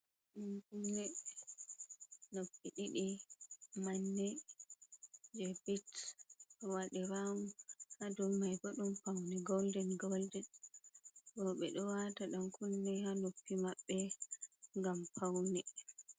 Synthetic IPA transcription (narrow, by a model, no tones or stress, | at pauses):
ɗankunːɛ | nopːiɗiɗi | manːɛ | d͡ʒɛbɛt | ɔwaɗɛɾamuhadɔmajbaɗumpawnɛɡɔldɛnɡɔldɛn | bɔɓɛɗɔwataɗankunːɛhanopːimaɓːɛ | ŋɡampʰawnɛ